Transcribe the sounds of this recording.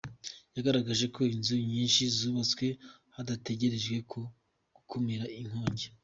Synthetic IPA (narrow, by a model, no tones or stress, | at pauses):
jaɡaɾaɡaʒe̞kʰo̞inzuɲiːnʃizuβat͡swe̞ | hadate̞ɟe̞ɾe̞ʒɡwe̞kʰo̞ | ɡ̥ukʰomeɾaiŋ̥ho̞ːɲɟe